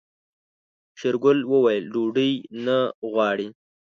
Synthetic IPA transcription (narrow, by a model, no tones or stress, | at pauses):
ʃɪɾɡʊlwəwajəlɖuɖəjnaɣwɑɽi